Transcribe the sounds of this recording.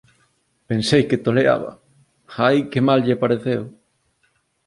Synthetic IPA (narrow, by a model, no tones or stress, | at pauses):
pensejket̪olea̰βɐ̰ | aajkemalʎepaɾeθew